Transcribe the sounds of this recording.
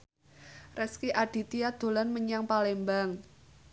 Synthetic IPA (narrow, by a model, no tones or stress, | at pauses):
rɛskiʔaɖ̥i̤t̪iad̪̥o̤lanməɲaŋpalembaŋ